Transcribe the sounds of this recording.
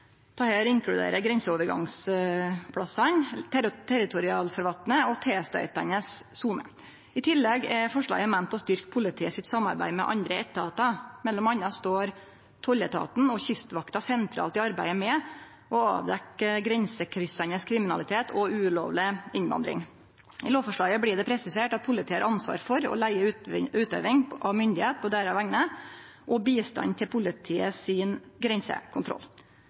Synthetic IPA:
t̪ʰɑːheːɾɪŋkɽʉd̪ḛːɾəɡɾɛnsəoːʋəɾɡɑ̰ŋs | pʰɽɑsɑnt̪ʰɛɾɪt̪ʰʊɾɪɑːlfɔɾʋɑlt̪nəɔt̪ʰeːst̪œ̰ʏt̪ɑnəsːuːmə̰ | ɪt̪ʰɪlːɛɡɛfɔʂɭɑ̰ːɡəmænt̪ɔst̪ʏɾkpʰʊlɪt̪ʰiːəsɪt̪sɑmːɑ̰ɾbæ̰ɪmɛ̰ʔɑ̰nd̪ɾəɛt̪ːəɑːt̪ɑmɛlːɔmɑnːɑst̪oːɾ | t̪ʰɔlət̪ʰɑ̰ːt̪n̩ɔçʏst̪ʋɑkt̪ɑsɛnt̪ʰɾɑ̰ːlt̪ɪɑɾbæɪəmɛ | ʔɔɑ̰ːʋd̪ɛkːəɡɾɛnsəkʰɾʏsɑnəskʰɾɪmɪnɑlɪt̪ʰeːt̪ʰɔʉːlo̰ːʋlɪɪnʋɑ̰nd̪ɾɪ̰ŋ | ɪloːʋfɔʂɭɑːɡəbɽiːd̪ɛpʰɾɛsɪseːʈɑt̪̚pʰʊlɪt̪ʰiːəɾʔɑnsʋɑ̰ːɾfɔɾɔ̰læɪəʉʉːt̪ø̰ːʋɪŋʔɑʋmʏnd̪ɪheːt̪̚pʰɔd̪æːɾɑʋæŋnə | ʔɔbiːst̪ɑ̰nt̪ʰɪlpʰʊlɪt̪ʰiːəsɪːnɡɾɛnsə̰kʰʊnt̪ʰɾɔ̰lː

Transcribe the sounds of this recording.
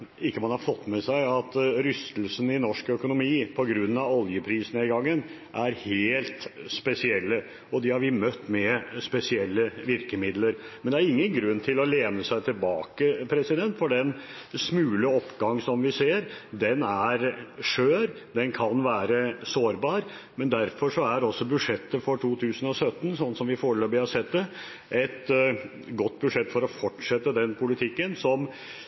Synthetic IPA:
ɪkːəmɑnhɑɾfɔt̪ːmɛsæɪɑt̪ɾʏst̪lsənɪnɔʂkœkʊnʊmiːpʰɔɡɾʉnːɑʋɔljəpʰɾiːsənəɪɡɑŋːən | ʔæɾheːlt̪spɛsɪɛlːə | ɔd̪ɪhɑɾʋɪmœt̪ːmɛspɛsɪɛlːəʋɪɾkəmɪd̪ləɾmɛnd̪ɛæɾɪŋːənɡɾʉnːt̪ʰɪlɔleːnəsæɪt̪ʰɪlbɑːkəpʰɾɛsɪd̪ɛnt̪fɔɖɛn | smʉːləɔpːɡɑŋːsɔmʋɪseːɾd̪ɛnæɾʂøːɾ | d̪ɛnkʰɑnʋæːɾəsoːɾbɑːɾ | mɛnd̪æɾfɔʂɔæɾɔsːɔbʉʂɛt̪ːəfɔʈʰuːt̪ʰʉːsənɔsœt̪ːn̩sɔnːsɔmʋɪfoːɾəløːbɪhɑsɛt̪d̪ə | ʔɛt̪ | ɡɔt̪ːbʉdʂɛt̪ːfɔɾɔfɔʈʂɛt̪ːəd̪ɛnpʰʊlɪt̪ʰɪkːənsɔm

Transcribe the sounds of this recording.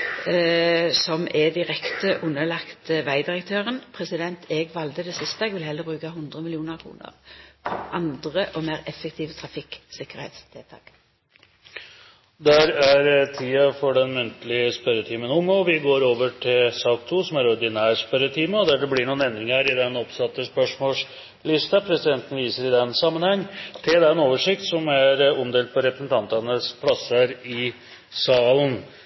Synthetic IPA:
sɔmɛd̪ɪʁɛkt̪əʔʉnːəlɑkt̪əʋæɪd̪ɪʁəkt̪ʰøːʁənpʰɾɛsɪd̪ɛnt̪ʰɛɡʋɑld̪əd̪ɛsɪst̪əɛɡʋɪlhɛlːəbʁʉːkaɦʊnd̪ʁəmɪlɪuːnəʁkʰʁṵːnə̰ʁpʰɔʔɑnd̪ʁəʔɔmæːʁɛfɛkt̪ʰiːʋət̪ʰʁɑfɪksɪkːəʁhḛt̪st̪ʰɪlt̪ʰɑ̰ːk | d̪æɾæɾt̪ʰiːɑfɔɖɛnmʉnt̪əlɪəspɛɾət̪ʰiːmənɔmɔʋɪɡoːɾoːʋəʈʰɪlsɑːkt̪ʰuːsɔmæɾɔɾd̪ɪnæːɾspɛɾət̪ʰiːməɔd̪æɖɛblɪɳuːnɛnd̪ɾɪŋæɾɪd̪ɛnɔpsɑt̪ːəspœʂmoːʂ | lɪst̪ɑpʰɾɛsɪd̪ɛnt̪ən̩ʋiːsəɾɪd̪ɛnsɑmːənhɑŋːt̪ʰɪld̪ɛnoːʋəʂɪk̚t̪sɔmæɾɔmd̪eːlt̪̚pʰɔɾɛpɾəsn̩t̪ʰɑnt̪ɑnəspʰlɑsəɾɪ | sɑːlən

